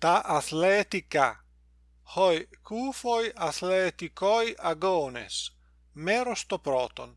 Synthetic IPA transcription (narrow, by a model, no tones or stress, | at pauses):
t̪aʔaθlɛt̪ika̰ | hɔjkʰufojaθlɛt̪ikɔjaɡɔnḛs | mɛɾost̪opɾɔːt̪o̰n